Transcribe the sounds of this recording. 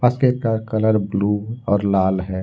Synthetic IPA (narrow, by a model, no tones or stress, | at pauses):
paskekakələɾbluːɔːɾlaːlɦɛː